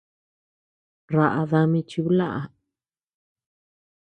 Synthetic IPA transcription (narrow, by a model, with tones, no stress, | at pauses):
ɾa˧ʔa˧ða˧mĩ˧t͡ʃi˧u˦la˦˨ʔa˧